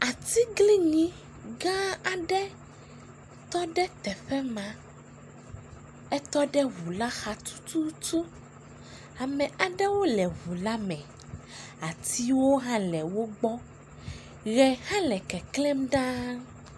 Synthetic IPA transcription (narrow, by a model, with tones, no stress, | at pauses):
a˨t̪i˦ɡli˦ɲĩ˦ | ɡã˦a˨ɖɛ˦ | t̪ɔ˦ɖɛ˦t̪ɛ˨ɸɛ˦mã˨ | ɛ˦t̪ɔ˦ɖɛ˦ɣu˨la˦xa˨t̪u̥˦t̪u˦t͡ʃu˦ | a˨mɛ̃˨a˨ɖɛ˦wo˦lɛ˨ɦu˨la˦mɛ̃˨ | a˨t̪i˦wo˦ɦã˦lɛ˨wo˦ɡ͡bɔ˦ | ɣɛ˨hã˦lɛ˨kɛ˨kle˦mɖã˦